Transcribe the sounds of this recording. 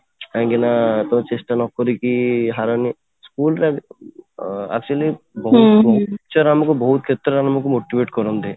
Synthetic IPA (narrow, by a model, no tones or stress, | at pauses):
aŋɡinat̪ɔmt͡ʃesʈanɔkɔɾikiɦaɾɔni | skulɾa | a̰k̚t͡ʃuali | bɔɦuɔɦt͡ʃɔɾamɔkubɔɦut̪̚kʰet̪ːɾɔɾamɔkumoʈibeʈkɔɾɔnd̪e